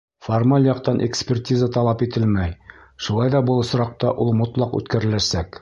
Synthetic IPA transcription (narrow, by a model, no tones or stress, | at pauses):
formalʲˠjɒqt̪ɑnʔekspʲertʲizət̪ɑlˠɑpit̪ɘlmæj | ʃulˠɑjd̪ɒbɤlˠŏsɾɑq̚t̪ɑʔulˠmŏt̪lˠɑqʉ̰t̪kæɾɘ̆læsæk